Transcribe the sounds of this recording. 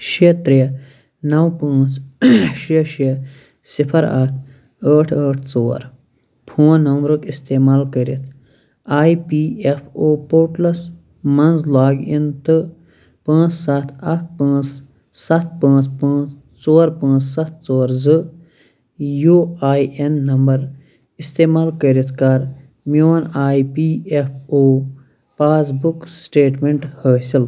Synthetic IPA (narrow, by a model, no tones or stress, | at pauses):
ʃit̪ɾi | nɐwpãːt͡sʃiɐʃiɐ | sipʰɐɾa̰k̪ʰ | əːʈʰəːʈʰt͡soːɾ | pʰũːnɐmɾɨkist̪eːmaːlkəɾit̪ʰ | aːjipiːepʰoːpoːʈlɐs | mɐnzlaːɡint̪ɨ | pãːt͡ssɐt̪ʰɐk̚ʰpãːt͡s | sɐt̪ʰpãːt͡spãːt͡s | t͡soːɾpãːt͡ssɐt̪̚ʰt͡soːɾzɨ | juːaːjenːɐmbɐɾ | ist̪eːmaːlkəɾit̪ʰkɐɾ | moːnaːipiːepʰoː | paːzbuksʈeːʈmeɳʈhəːsil